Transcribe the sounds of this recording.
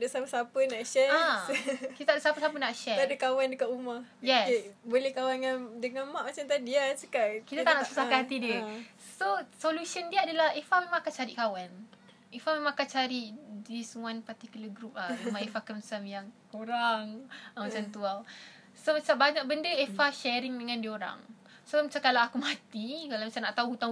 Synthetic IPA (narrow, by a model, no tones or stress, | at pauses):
adəsapəsapənaʔʃɛa | it̪at̪aʔdəsapəsapənaʔʃɛadəkawandəkat̪umahjɛsebolehkawanjandəŋamaʔmat͡ʃamt̪adiasukaʔkit̪at̪anaʔsəsaaɦat̪idə | sosolusəndiaadalahefamemãŋakat͡ʃaɾiʔkawan | efamemãŋakat͡ʃaɾiʔdisəmuanpat̪ikulaɡɾup̚lamemãefakəmsamjaŋkoɾaŋamat͡ʃamt̪ual | somat͡ʃambaɲak̚bəndəefaʃɛɾiŋdəŋãndioɾa̰ŋ | somat͡ʃamkalaakumat̪ikalamat͡ʃamnaʔt̪auɦut̪aŋ